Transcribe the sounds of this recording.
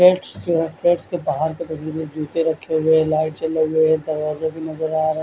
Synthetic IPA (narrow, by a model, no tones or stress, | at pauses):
eːʈsd͡ʒoːɦɛfɾeːʈskebaɦaːɾket̪ɐsiːɾod͡ʒuːt̪eɾɐkʰːeɦʊeɦɛlaːɪʈ̚t͡ʃɐleɦʊeɦɛd̪ɐɾʋaːzokinɐzəɾaːɾɐ